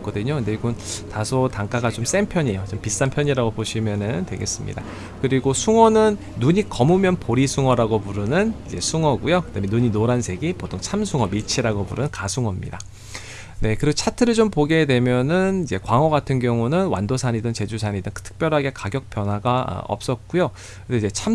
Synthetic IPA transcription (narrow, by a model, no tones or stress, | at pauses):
k͈ʌdɯɲokɯndeiɡontasʰotaŋk͈aɡat͡ɕoms͈e̞mpʰjʌɲejot͡ɕompis͈ampʰjʌɲiɾaɡopoɕʰimjʌnɯntwe̞̰ɡe̞̰s͈ɯmɲḭda̰ | kɯɾiɡosʰuŋʌnɯnːuɲikʌmumjʌnpoɾisʰuŋʌɾaɡopuɾɯnɯnid͡ʑe̞̰sʰuŋʌɡujokɯdame̞nuɲinoɾansʰe̞ɡipotʰoŋt͡ɕʰamsʰuŋʌmit͡ɕʰiɾaɡopuɾɯnɯnkasʰuŋʌmɲḭda | ne̞kɯɾiɡot͡ɕʰatʰɯɾɯɭt͡ɕompoɡe̞dwe̞mjʌnɯnid͡ʑe̞kwaŋʌɡatʰɯnɡjʌŋunɯnwa̰ndosʰaɲidɯŋt͡ɕe̞d͡ʑusʰaɲidɯŋtʰɯ̥tʰɯ̥k̚p͈jʌɾɦaɡe̞kaɡjʌk̚p͈ʰjʌnwaɡa̰ʌ̰p̚s͈ʌt̚k͈ujo | kɯnded͡ʑe̞t͡ɕʰam